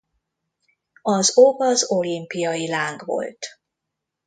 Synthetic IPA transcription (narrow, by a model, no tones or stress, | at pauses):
ɒzobɒzolimpijɒjilaːŋɡʋo̞̰lt̪